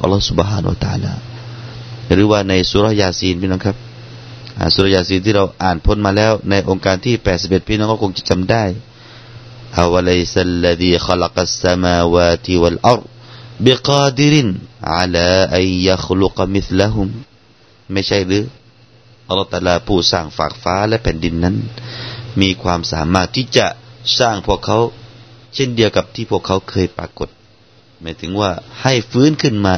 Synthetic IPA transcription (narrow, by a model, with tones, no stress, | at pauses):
pʔa̰˧lːsu˧bɦaː˧nṵ˧a˧t̪a̰˨a̰ː˧la̰ː˧˩ | ɾɯː˧˦waː˧˩na˧jsuː˧˦ɾɑ˦˥hjaː˧siː˧npʰiː˧˩nɔ˧˥˨kʰa˦˥p̚ | ʔa̰˧˩suː˧ɾɔ˥jaː˧˩siː˧nt̪ʰiː˥˩ɾa˧wʔaː˨˩npʰo˧˥˨nmaː˧lɛː˦˥˨wna˧jʔo˧ŋkaː˧nt̪ʰiː˥˩pɛː˨˩t̪si˨˧p̚ʔe˨˩t̪̚pʰiː˧˦nɔ˧˥nkɔː˧˥kʰo˧ŋt͡ɕa˧˩t͡ɕa˧mdaː˥˩j | ʔa˧wa˧la˦˧jsa˧ʔlːa˧ðiː˧xɑ˦lɑqsːamaː˧waː˧t̪ʰiwa˨lʔɑ˦ɾd̚biqɑː˧d̪i˦ɾi˧nʕa̰˧laː˧ʔa˧nja˦xlu˧qmi˦θla˦ɦu˧mː | a˥˩jsʰa˥˩jlɯː˧˦˥ | ʔɑ˧lːɑː˦˥ht̪aː˧laː˧pʰuː˧˩saː˧˩ŋfa̰ː˨˩k̚faː˨˧˥lɛ˦˧ʔpʰɛː˨˦ndi˧nːa˦˥˨n | miː˧kʰwaː˧msa̰ː˨˦maː˧˩t̪ʰːiː˧˩t͡ɕa˧ʔsaː˧˩ŋpʰu˧˥˩əkʰːa˧˦˥wsʰe˧˥˨ndi˧əwka˨˧˦p̚t̪ʰiː˧˩pʰu˥˩əkʰːa˧˥˩wkʰɤː˧jpa̰ː˧ko˨˩˦t̪̚ | maː˨˧˦jt̪ʰɯ˨˦ŋwaː˧˩ha˧˥˩jfɯː˦˥˨nkʰɯ˥˩nmaː˧